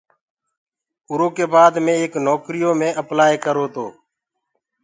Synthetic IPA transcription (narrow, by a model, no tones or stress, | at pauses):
ʊɾoːkeːbaːd̪mẽːeːknɔːkɾijoːmẽːʔəplaːeːkəɾoːt̪oː